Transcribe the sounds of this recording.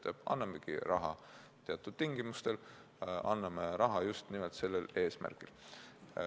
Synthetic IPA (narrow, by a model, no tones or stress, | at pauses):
t̪eb̥ɑ̰nːɑmːekḭɾɑɦɑt̪eɑt̪ːˑud̪̥t̪iŋɡ̥imust̪e̞l | ʔɑnːɑmeɾɑɦɑjust̪nimɛlt̪se̞lːele̞ːsmæ̰rkil